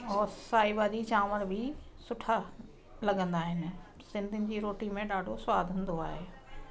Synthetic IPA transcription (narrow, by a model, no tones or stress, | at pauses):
ɔːɾsaːibaːd͡ʑit͡ɕaːməɾbʱɪsʊʈʰa | lɐɡə̃nd̪aːɦɪnɪ̆ | sɪ̃nd̪ʱɪnɪ̆d͡ʑiːɾoːʈimẽɗaːɖʱosʊwaːd̪ʱʊ̃nd̪oa̰ːɦeː